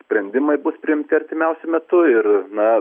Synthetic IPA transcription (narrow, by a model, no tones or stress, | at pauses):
sʲpʲɾʲɛnʲd̪ʲɪmɐɪbʊspʲɾʲɪɪmʲt̪ʲɪɐrʲt̪ʲɪmʲɛʊsʲʊmʲɛt̪ʊɪrnɐ